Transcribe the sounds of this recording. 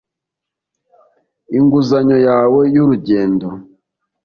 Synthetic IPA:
iŋɡuzaɲo̞jaːwe̞juɾuɟe̞ːndo

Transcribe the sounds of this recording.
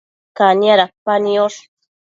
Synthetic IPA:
kanjaɾapanjoʂ

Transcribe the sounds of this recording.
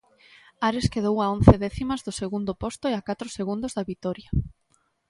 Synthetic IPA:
aɾeskeðowaon̟θeðɛθimazðʊseɣund̪ʊpost̪ʊeakat̪ɾʊseɣund̪ʊzðaβit̪ɔɾja

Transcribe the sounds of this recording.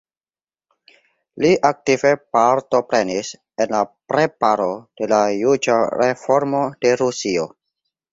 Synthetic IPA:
liʔak̚tive̞paɾtopɾenis | enlapɾepaɾod̥e̞lajud͡ʒaɾefoɾmodeɾusio

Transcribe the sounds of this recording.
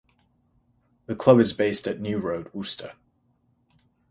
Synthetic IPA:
ðəkʰl̥ʌbɨzbeɪstɨʔⁿnjʉɹoʊd̚wuˑstʰə̰

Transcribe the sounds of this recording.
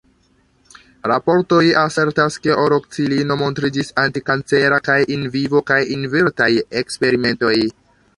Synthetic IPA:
ɾapo̞ɾto̞jase̞ɾtaske̞ʔoɾok̚t͡silino̞mo̞ntɾid͡ʒisantikant͡se̞ɾakajʔinvivo̞kajinveɾtajekspe̞ɾime̞nto̞j

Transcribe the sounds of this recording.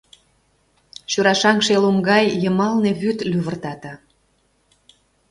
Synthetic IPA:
ɕuɾɑʃɑŋʃelumɡɑjjəmɑlneβyt̪lyβərt̪ɑt̪ɑ

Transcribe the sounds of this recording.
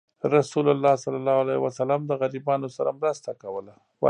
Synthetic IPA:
ɾasulalːɑsalːalːɑhalajwasalamd̪əɣaɾibɑnosaɾamɾəst̪akawəla | wa

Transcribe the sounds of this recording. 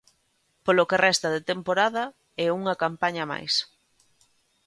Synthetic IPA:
polokerɛst̪ɐðet̪empoɾaðɐ | ɛuŋɐkampaɲɐma̰js

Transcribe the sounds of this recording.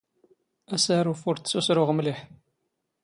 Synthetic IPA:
æsæɾufuɾt̪susɾʊʁəmliħ

